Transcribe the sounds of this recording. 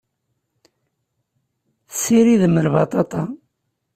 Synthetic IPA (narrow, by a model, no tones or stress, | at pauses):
siɾiðməlvɑt̪ˤɑt̪ˤɑ